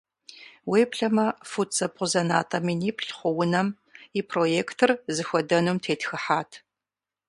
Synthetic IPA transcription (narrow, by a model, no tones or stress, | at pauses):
weːpɬɐmɐfut͡sʼɐp̚qʷʼʊzɐna̰ːtʼɐminiːpɬχʷʊwʊnɐm | ipʰrojeːktʰɨrzɨxʷɔdɐnumtʰeːtxɨħaːtʰ